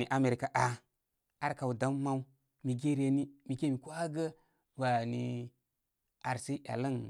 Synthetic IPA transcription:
i˨ʔa˨˦me˨ɾi˨ka˨ʔa˨ | a˦ɾka˨wda˦mː˦a˦wu˦ | mi˨ɡe˦ɾe˨ni˦mi˨ɡe˦mi˨ko˦a˦ɡə˦ | wa˨ni˨ | a˨ɾsi˦ʔa̰˨lə˦n

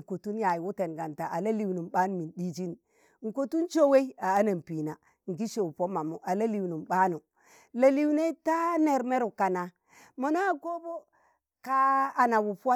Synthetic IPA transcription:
ko˨tu˦nja˨ji˨wu˦te˨nɡa˨nta˨ʔa˨la˦li˨wnu˨mɓa˦n˨mi˨ɗi˦d͡ʒi˦n˦ | ŋ̩˨ko˨tu˦nt͡ʃo˦we˦i˦a˨a˦na˨mpi˨na˨ | ŋ̩˨ɡi˦ʃo˨wpo˦ma˨mu˨ʔa˨la˦li˨wnu˨mɓa˦nu˨ | la˨li˦wne˦ta˦ne˨ɾme˦ɾu˨ka˨na˨ | mo˨na˦˨ko˦bo˦ | kaː˦˨na˨wu˨pu˦wa˦

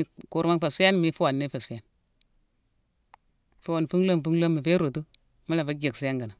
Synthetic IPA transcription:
i˦ku˨ɾma˦ŋfa˨si˦a˦nmi˦fu˦wa˨nːe˦fa˨si˦a˦n | fu˦wa˨n˨fu˦ŋlo˦m˨fu˦ŋ˦lo˦mːi˨fe˦ɾo˨tu˦ | ma˦la˨fa˦d͡ʒe˨ksi˦a˦ŋɡa˨na˨

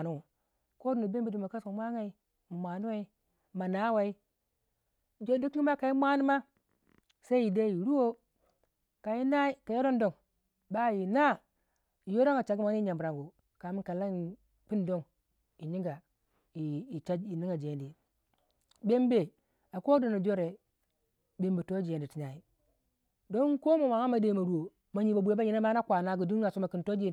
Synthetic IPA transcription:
nu˦u˨ | ko˦du˨no˨be˦mbe˦di˨ma˨ka˦so˨mʷa˦ŋa˨i˦ | m˨mʷa˨nu˦wa˦i˦ | ma˨na˦wa˨i˦ | n˨d͡ʒo˦di˦ki˦ma˦ka˨ji˦mʷa˦ni˦ma˦ | sa˦i˦i˨da˦ji˨ɾu˦wo˦ | ka˨ji˦na˦i˦ka˨ja˦do˦ndo˨ŋ | ba˦˨ji˨na˦ | i˨jo˦do˦ŋa˨t͡ʃa˨ɡma˨˦i˦ɲa˨mbɾa˨ŋɡo˨ | ka˨mi˦n˦ka˨la˦i˨ | pi˦ndo˦ŋ | i˨ɲi˦ŋɡa˨ | i˨i˨t͡ʃa˦i˨ni˦ŋa˨d͡ʒe˨ndi˨ | be˦m˦be˨ | a˨ko˦do˨na˨d͡ʒo˦ɾe˨ | be˨mbi˨to˦d͡ʒe˨ndi˨ti˨ɲa˨i˨ | do˦n˦ko˦mo˨ma˨ŋa˦ma˨de˦ma˨ɾu˦wo˨ | ma˨ɲi˨ba˨bʷu˨e˦a˦ɲi˨na˦ma˦na˦kʷa˨na˦ɡu˨di˦a˨so˦ma˨ki˨nto˦d͡ʒe˨

